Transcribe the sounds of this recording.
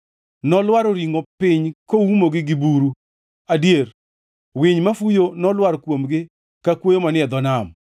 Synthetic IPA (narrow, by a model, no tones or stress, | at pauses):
nɔlwaɾoɾiŋopɪɲkoumoɡɪɡɪbuɾu | adjeɾ | wɪɲmafujonɔlwaɾkwomɡɪ | kakwojomanɪɛd̪ɔnam